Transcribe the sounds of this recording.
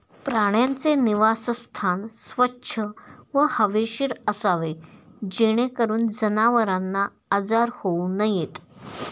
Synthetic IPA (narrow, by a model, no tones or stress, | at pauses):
pɾaɽ̃jant͡seniʋasst̪ʰansʋətːɕʰəʋəhəʋeɕiɾəsaʋed͡ʑeɽ̃ekəɾuːnd͡zənaʋəɾanːaː | d͡zaɾhounəjet̪